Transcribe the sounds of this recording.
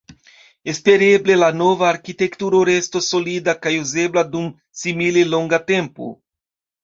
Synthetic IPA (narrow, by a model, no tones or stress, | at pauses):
espeɾeblelanovaːɾkit̪ekt̪uɾoɾest̪osolid̪akajuzeblad̪um | simileloŋɡat̪empo̰